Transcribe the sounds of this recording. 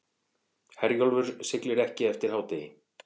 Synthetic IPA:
hɛɾjɔlvʏɾ̥sɪklɪɾɛhcɪɛft̪ɪɾ̥hawt̪ejɪ

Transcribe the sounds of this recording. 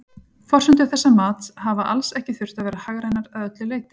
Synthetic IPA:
fɔr̥sʏnt̪ʏaθɛsːamaːt̪havaʔalsɛhcɪθʏr̥t̪aðvɛːɾahaɣɾajnaɾaðœt̪lɪleːjt̪ɪ̥

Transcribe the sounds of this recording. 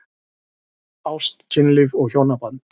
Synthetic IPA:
awst̪cʰɪnlɪvɔɣçjownapant̪

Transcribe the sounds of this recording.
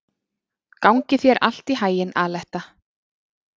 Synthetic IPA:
kawŋcɪθjɛɾʔa̰l̥t̪iɦaːjɪnaːlɛht̪a

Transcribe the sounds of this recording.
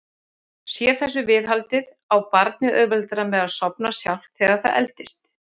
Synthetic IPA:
sjɛθɛs̬ːʏvɪðɦalt̪ɪð | awpaɾt̪̚nɪʔœvɛlt̪ʏɾamɛðaðsɔpnasja̰wl̥θɛːɣaθa̰ðɛ̰lt̪ɪst̪

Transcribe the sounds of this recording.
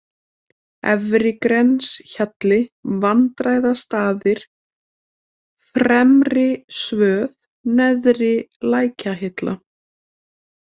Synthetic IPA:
ɛvɾɪkɾɛnsçat̪lɪvant̪ɾaːjðast̪aːðɪɾ̥ | fɾɛmrɪsvœːv | nɛðɾɪlaːjcaɦɪt̪lʔa̰

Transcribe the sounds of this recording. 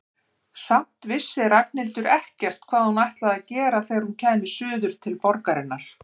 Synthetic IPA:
sam̥t̪vɪsːɪɾak̚nɪlt̪ʏɾʔɛhcɛr̥t̪kʰvaːðhunajht̪laðacɛːɾaθejɾ̥huncʰɛːmɪ̥sʏːðʏɾ̥t̪ʰɪlpɔɾkaɾɪnːaɾ̥

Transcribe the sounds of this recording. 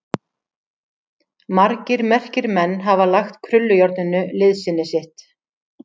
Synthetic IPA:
maɾcɪɾmɛr̥cɪɾmɛnːɦavalaxt̪kʰɾʏlːʏjɔɾt̪nʏnːʏlɪðsɪnːɪsɪht̪

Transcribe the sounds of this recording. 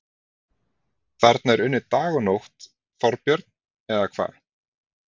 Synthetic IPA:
kʰvɛɾt̪̚naɛɾʏnːʏt̪aːɣɔnowht̪ | fɔɾpjœɾt̪n | ɛðakʰv̥a̰ːð

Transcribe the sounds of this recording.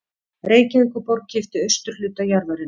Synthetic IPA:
reːjcaikʏpɔɾk̚cɪft̪ɪœɥst̪ʏɾ̥lʏːt̪ajaɾvaɾɪn

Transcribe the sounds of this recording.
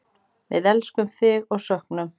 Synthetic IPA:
vɪ̰ðɛlskʏmθɪɣɔɣsœhknʏm

